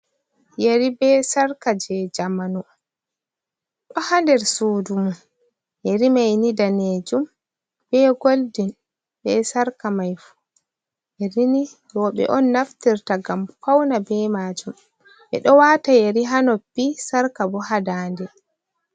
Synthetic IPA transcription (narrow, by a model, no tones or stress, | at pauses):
jeɾibɛsaɾkad͡ʒɛd͡ʒamanu | ɗɔhandɛɾsuːdumu | jeɾimajnidaneːd͡ʒum | b̥ɛɡoldin | bɛsaɾkamajfu̥ | ʔeɾini | ɡɔɓɛ̰ʔɔnːaftiɾtaɡamkawnabɛːmaːd͡ʒum | ʔɛ̰ɗɔwaːtajeɾiɦanopːisaɾkabɔhadaːndɛ